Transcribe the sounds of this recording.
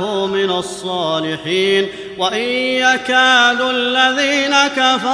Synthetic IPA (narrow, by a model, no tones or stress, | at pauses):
umɪnasˤːɑːlɪħiːn | waʔɪjakaːd̪ualːaðiːnakafɑ